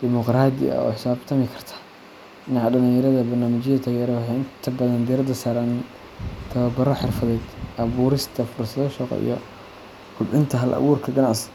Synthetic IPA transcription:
d̪̥ɪmɔqɾaːd̪ɪ̰ɐ̰ɔ̰ːħɪ̥saːbt̪ʰɐmɪkʰɐrt̪ʰḁː | ɪnɐħɑɖɐliːjɐɾɐðɐbɐrnaːmɪt͡ʃɪjɐt̪ʰaːɣɛɾɔħeɪnt̪ʰɐbɐðɐnd̪iɛɾɐd̪ɐsaːɾɐn | t̪ʰɐβɐbɐɾɔħɪrfɐðɛːd̪ʔɐβuːɾɪst̪ʰɐfʊrsɐðɔʃɔːqɔ̰ḭjɔ | kʰʊbʕɪnt̪ʰɐɦɐlʔɐ̰wuːrkʰɐɡɐnaʕs

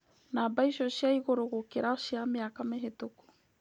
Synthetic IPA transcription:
nabajsosiajɡoɾoɡokeɾaosiameakameɦetoko̥

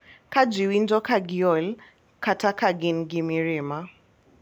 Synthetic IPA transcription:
kad͡ʒiwindɔkaɡiɔl | kʰatakaɡinɡimiɾima

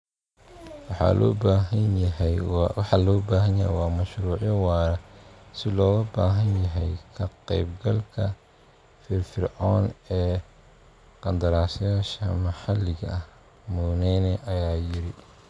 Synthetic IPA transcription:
wɑħɑ̰ːlʔɔ̰ːbaːɦɐnjɐɦɛjwɑħɑlɔːbaːɦɐnjɐɦɛ̰jwɑːmɐʃɾuːʕjɐwɑːɾɐsɪlɔːɣʊbaːɦɐnjɐɦɛjkʰɐqɛjbɡɐlkʰɐ | fɪrfɪrʕɔːnɛː | qɑnd̪ɐɾaːsjaːʃɐmɐħɑlːɪɣɐ̰ʔɐh | muːnɛnɛʔɐjaːjɪɾɪ

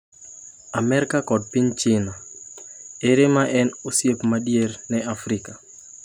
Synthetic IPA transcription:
amɛɾkakɔd̚piɲt͡ʃɪna | eɾɪmaʔɛnosjepmadjernɛafɾɪka

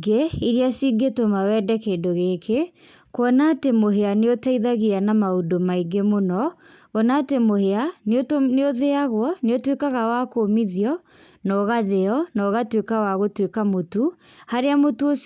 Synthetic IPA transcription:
ɡeiɾiasiɡetomawɛːdɛkedoɣekʰe | kwɔnatemoɦeaneotaiðaɣianamaudomaiɡemonɔ | ɔnaːtemoheaneotneoðeaɣwɔneotwekaɣawakoːmiðiɔ | nɔɣaðeɔnɔːɣatwekawaɣotwekamotuhaɾeamotuo

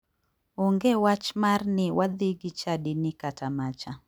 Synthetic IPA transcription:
oŋɡewat͡ʃmarnɪwad̪ɪɡit͡ʃadinɪkatʰamat͡ʃa

